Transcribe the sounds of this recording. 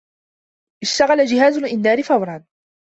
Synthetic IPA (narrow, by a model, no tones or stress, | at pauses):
ʔɪʃt̪aɣalad͡ʒɪhaːzʊlʔɪnd̪aːɾɪfawɾˤɑn